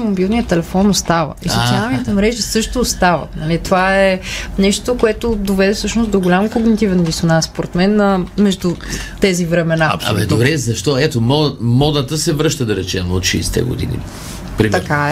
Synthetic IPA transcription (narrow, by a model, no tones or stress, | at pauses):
mobilˠnijət̪ɛlɛfɔnost̪avə̰isot̪ialˠnit̪ɛmɾɛʒisɤʃt̪oːst̪avə̰t̪nɐlit̪ovaɛnɛʃtt̪okoɛt̪od̪ovɛd̪ɛfsɤʃnosd̪oɡolʲamkoɡnit̪ivɛnd̪isonasspoɾɛt̪mɛnəmɛʒd̪ut̪ɛzivɾɛmɛnaɐ̰md̪obɾɛzɐʃt̪ɔɛt̪omɔmɔd̪ət̪əsɛvɾɤʃt̪əd̪ɐɾɛt͡ʃɛmo̰t̪ʃɛɛst̪ɛ̰ɡo̰d̪ḭnḭ | pɾimt̪ɐkaɛ